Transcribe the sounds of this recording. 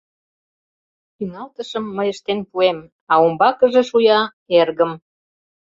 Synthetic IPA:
ynɑlt̪əʃəmːəjəʃt̪enpuem | ɑombɑkəʒĕʃujɑ | erɣə̆m

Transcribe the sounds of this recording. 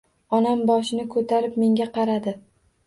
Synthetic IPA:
ɒnambɒʃɪnɪkʰɵt̪ʰaɾɪp̚me̞ŋɡʲaqʰɑɾad̪ɪ

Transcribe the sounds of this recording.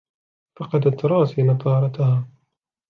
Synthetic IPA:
fɑqɑd̪at̪ɾˤɑːsinɑt̪ˤɑːɾˤɑt̪ahaː

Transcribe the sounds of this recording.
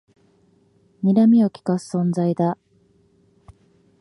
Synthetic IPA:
mʲiɾamʲio̞kʲi̥kasɨ̥sõ̞nd͡zaid̪a

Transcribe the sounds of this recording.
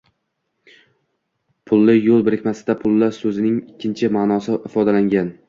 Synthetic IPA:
pʰʊlˠːɪjolˠbɪɾɪkʲmasɪd̪apʰʊlˠːasɵzɪnɪŋɪkʲːɪnt͡ʃʰɪmanɒsɪɪfɒd̪alaŋɡʲan

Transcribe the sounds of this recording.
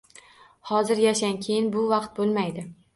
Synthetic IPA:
hɒzɪɾjaʃankʲʰejɪnbʊvɑqt̪̚bolˠmajd̪ɪ

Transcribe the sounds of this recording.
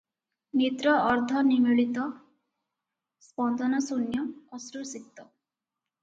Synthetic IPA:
mit̪ɾɔʔːɾd̪ʱɔnimiɭit̪ɔ | spɔnd̪ɔnɔsunjɔːsɾusik̚t̪ɔ

